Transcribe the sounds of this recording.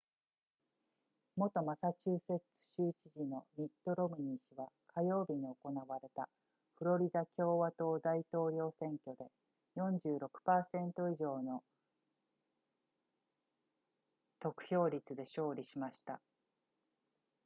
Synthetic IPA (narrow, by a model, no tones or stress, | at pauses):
mo̞t̪o̞masat͡ɕɨːse̞t͡sɨ̥ɕɨːt͡ɕiʑino̞mʲit̪ːo̞ɾo̞miɲ̟iɕiβakʰajo̞ːbʲiɲ̟io̞ko̞naβaɾe̞t̪a | ɸɯ̟ɾo̞ɾʲid̪akʲo̞ːβat̪o̞ːd̪ait̪o̞ːɾʲo̞ːsẽ̞ŋkʲo̞d̪e̞ | jõ̞ɲ̟d͡ʑɨːɾo̞kɯ̟̥paːsẽ̞nt̪o̞iʑo̞ːno̞ | t̪o̞kɯ̟̥çʲo̞ːɾʲit͡sɨd̪e̞ɕo̞ːɾʲiɕimaɕi̥t̪a